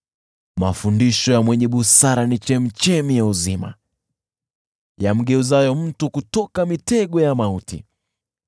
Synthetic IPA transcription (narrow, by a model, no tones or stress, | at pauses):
mafundiʃɔjamwɛɲɛɓusaɾanit͡ʃɛmit͡ʃɛmijauzima̰ | jam̩ɡɛuzajɔm̩tukutɔkamitɛɡɔjamautḭ